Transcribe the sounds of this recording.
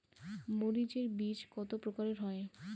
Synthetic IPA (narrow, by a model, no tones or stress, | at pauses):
moɾid͡ʑeɾbid͡ʑkɔt̪opɾokaɾeɾɦɔe